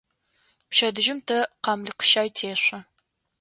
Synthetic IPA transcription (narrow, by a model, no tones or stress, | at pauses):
pʃɐdɨʒɪmtʰɐqɑmlɨqə̥ʃaːjtʰeːɕʷɐ